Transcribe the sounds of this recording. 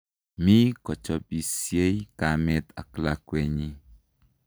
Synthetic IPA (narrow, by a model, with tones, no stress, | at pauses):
mi˦kɔ˨t͡ʃɔ˨bi˨sje˦i˦ka˨mɛ˦t̪a̰˨kla˨kwɛ˨ɲi˦